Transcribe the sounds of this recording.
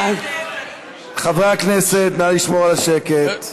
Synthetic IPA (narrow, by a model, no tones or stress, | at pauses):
χavʁaakneset̪maliʃmoʁalaʃeket